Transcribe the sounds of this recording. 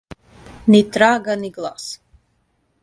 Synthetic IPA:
nit̪ɾaːɡaniɡlˠa̰s

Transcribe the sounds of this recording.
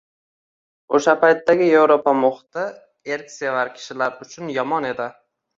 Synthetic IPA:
oʃapʰajt̪ːaɡʲɪjevɾopamoχt̪ɪ | eɾkʲsevaɾkʲʰɪ̥ʃɪlaɾʊt͡ʃʰʊnjɒmɒne̞d̪ɪ

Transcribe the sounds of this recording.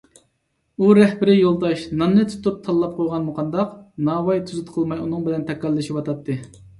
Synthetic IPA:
uɾɛhbɪɾɪjolˠd̪ɑʃnɑnːɨt̪ʰu̥t̪up̚t̪ʰɑlˠːɑp̚qʰojʁɑnmuqʰɑnd̪ɑqnɑːwɑjt̪ʰyzɪt̪qʰəlˠmɑjunɨŋbɪlɛnt̪ʰɛkːɑlːɨʃipɑt̪ʰɑt̪ʰːɨ

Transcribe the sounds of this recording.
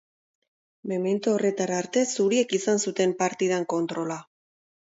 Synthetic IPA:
meme̞nt̪uore̞t̪aɾaːɾt̪e̞suɾie̞kisansut̪e̞mpaɾt̪ið̞aŋko̞nt̪ɾo̞la

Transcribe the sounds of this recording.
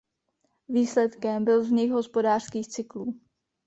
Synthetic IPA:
viːslɛt̪kɛmbɪlzɲɪxɦo̞spodaːr̝̥skiːxt͡sɪkluː

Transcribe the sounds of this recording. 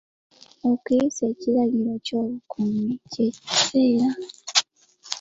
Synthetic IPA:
okise̞ːciɾaɣiɾo̞coːβukʰumiceci̥seːɾa

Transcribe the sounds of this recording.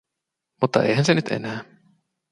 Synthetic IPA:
mut̪ːɑʔḛjɦænsenyt̪ḛnæː

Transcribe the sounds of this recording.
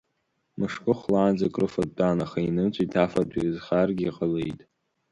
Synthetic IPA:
mɨʂkʼɨχlaːnd͡zakʼrɨfatʼːanaχainɨmt͡ɕʷʼitʰafadʷʰʼḭzχarɡʲiiqʼalejtʼ

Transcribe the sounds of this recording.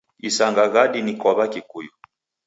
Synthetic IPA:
isaŋɡaɣaɗinikɔβakikujɔ

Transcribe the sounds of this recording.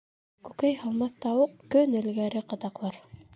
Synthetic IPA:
kʉkæjhɑlˠmɑθt̪ɑwɤqkɵnɘ̆lɡæɾɘqɤ̆t̪ɑqlˠɑɾ

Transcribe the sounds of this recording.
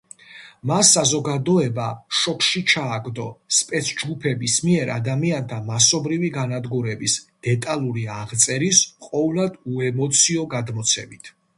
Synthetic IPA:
masːazɔɡad̪ɔɛbaʃɔkʰʃit͡ʃʰaːɡd̪ɔspʼɛt̪sʰd͡ʒɡupʰɛbismiɛɾʔa̰d̪amiant̪ʰamasɔbɾiviɡanad̪ɡuɾɛbisd̪̥ɛt̪ʼalˠuɾiaʁt̪sʼɛɾisqʼɔvlad̪uɛmɔt̪sʰiɔɡad̪mɔt̪sʰɛ̰mit̪ʰ

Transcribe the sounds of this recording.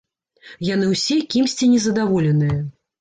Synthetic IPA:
jan̪ɨwsʲɛkʲimsʲt͡sʲinʲɛzɐd̪avɔlʲɛnɨjɐ

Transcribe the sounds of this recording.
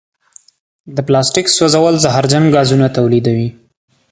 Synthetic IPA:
d̪əplɑsʈɪksozawəlzaɦɑɾd͡ʒaŋɡɑzunat̪awlid̪awi

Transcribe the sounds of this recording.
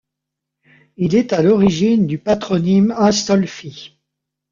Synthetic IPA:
ilɛt̪alɔʁiʒind̪ypat̪χɔnimɛ̃st̪ɔlfi

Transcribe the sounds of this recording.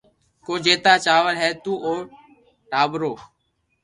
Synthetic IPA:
koːd͡ʒeːt̪aːt͡ʃaːʋəlɦɛːt̪uːʔoːɾ | ʈaːbɾoː

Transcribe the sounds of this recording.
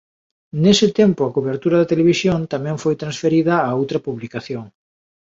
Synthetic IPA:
nesɪt̪ɛmpʊakuβeɾt̪uɾɐðɐt̪eleβisjont̪amɛ̃ɱfojt̪ɾãnsfeɾiðɐːowt̪ɾɐpuβlikaθjoŋ

